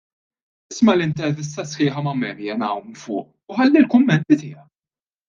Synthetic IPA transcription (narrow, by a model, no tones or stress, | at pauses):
ɪsmɐlɪnt̪ɛɾvɪs̬t̪ɐsħɪːħɐmɐmɛːɾjɐnɐwmfʊ̰ːʔ | ʊħɐlːɪlkʊmːɛnt̪it̪ɪːjɐk̚